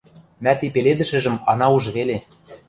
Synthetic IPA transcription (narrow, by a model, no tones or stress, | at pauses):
mæt̪ipeled̪ɘ̆ʃɘ̆ʒɘ̆mɑnɑuʒβele